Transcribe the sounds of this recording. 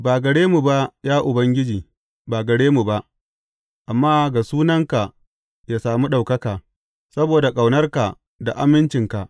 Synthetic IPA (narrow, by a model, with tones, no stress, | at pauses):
baː˨ɡɐ˨ɽeː˦mu˨ba˦jaː˦ʔʊ˨bɐ˦ŋɡʲɪ˦d͡ʒiː˨ | baː˨ɡɐ˨ɽeː˦mu˨ba˦ʔ | ʔa˨mːaː˦ɡa˨suː˦nɐ˦ŋka˨ | jaː˨saː˨mu˦ɗa˨wkɐ˦kaː˨ | sɐ˦boː˨da˨kʼa˨wnɐ˦rka˨ | da̰˨ʔa˦mɪ˦nt͡ʃɪ˨ŋka˨ʔ